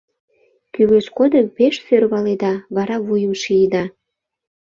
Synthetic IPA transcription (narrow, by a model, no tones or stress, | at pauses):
kyβeʃkod̪əmpeʃsørβɑled̪ɑβɑɾɑβujəmʃijəd̪ɑ